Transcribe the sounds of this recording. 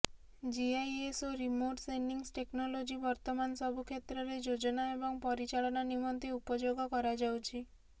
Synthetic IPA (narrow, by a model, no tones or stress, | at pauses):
d͡ʒiajesoɾimoʈsenɖiŋsʈeknɔlod͡ʒibɔɾt̪ɔmanɔsɔbʱukʰet̪ɾɔɾed͡ʒod͡ʒɔnaebɔŋpɔɾit͡ʃaɭɔnanimɔnt̪iupɔd͡ʒoɡɔkɔɾad͡ʒawt͡ʃʰi